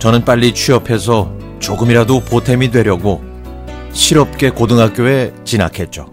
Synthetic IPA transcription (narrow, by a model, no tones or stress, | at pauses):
t͡ɕʌnɯnp͈aʎːit͡ɕʰɥiʌpʰe̞s̬ʰʌ | t͡ɕoɡɯmiɾadopotʰe̞midwe̞ɾjʌɡo | ɕʰiɾʌp̚k͈e̞kodɯŋɦak͈joe̞t͡ɕina̰kʰe̞t̚t͡ɕ͈o